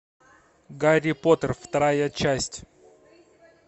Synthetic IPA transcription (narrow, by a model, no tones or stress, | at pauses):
ɡaɾʲɪpot̪ərft̪ɐɾajət͡ɕæsʲtʲ